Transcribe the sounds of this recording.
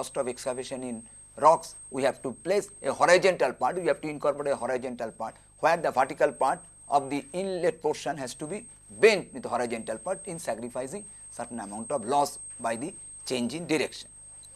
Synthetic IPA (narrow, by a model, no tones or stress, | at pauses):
ɔsʈɔʋekskabeʃə̃nĩn | ɾɔks | wihɛʋʈupleseɦɔɾajd͡ʒɔ̃nʈalpaɾʈwiɛbʈuĩnkɔɾpoɾeeɦɔɾad͡ʒɔ̃ɳʈalpaɾʈ | heəɾd̪ɐvaɾʈikalpaɾʈ | ɔ̰bd̪iĩnleʈ̚poɾʃə̃nɦɛzʈubi | bẽnʈwid̪ɦɔɾajd͡ʒɔ̃ɳʈalpaɾʈĩnsɛkɾifaɪzĩŋ | səɾʈnɛmãʊ̃ɳʈɔʋlɔs | bajd̪i | t͡ʃẽnd͡ʒĩŋɖiɾekʃə̥̃n